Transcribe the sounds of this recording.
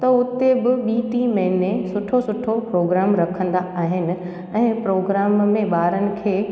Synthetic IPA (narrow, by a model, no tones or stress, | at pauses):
t̪ɐʊt̪ebɪɓiːʈimẽnẽsʊʈʰosʊʈʰopɾoːɡɾaːmɾɐkʰə̃nd̪aaːɦɪnɪ̆ | ɛ̃ːpɾoːɡɾaːmːẽɓaːɾənɪ̆kʰeː